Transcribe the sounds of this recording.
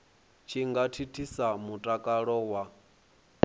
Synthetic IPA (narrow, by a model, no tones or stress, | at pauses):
t͡ʃʰiŋɡatʰitʰisamutʼakʼaɺɔwa